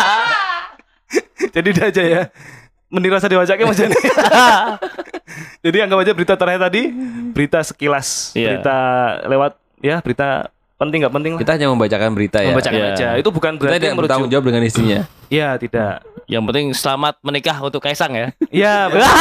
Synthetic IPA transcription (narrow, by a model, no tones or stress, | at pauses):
d͡ʒadidad͡ʒaja | məniɾasadiwat͡ʃakamat͡ʃani | d͡ʒadiaŋɡabad͡ʒabəɾit̪at̪əɾhat̪adibəɾit̪asə̥kilasjəait̪alewat̪̚ | jabəɾit̪a | pənt̪ɪŋɡaʔpənt̪ɪŋlait̪akaɲaməmbat͡ʃakanbəɾit̪ajməmabat͡ʃakjad͡ʒait̪ubukanbəɾaad̪aməɾut̪aʊŋd͡ʒawap̚dəŋanist̪iɲaijat̪ida̰ʔja̰ŋpənt̪ɪŋsəlamat̪̚mənikahunt̪ʊkːaisaŋjaijaa